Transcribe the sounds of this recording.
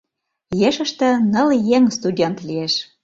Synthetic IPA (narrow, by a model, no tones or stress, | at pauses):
jeʃə̆ʃt̪ə̆nə̆ljeŋst̪udʲent̪lieʃ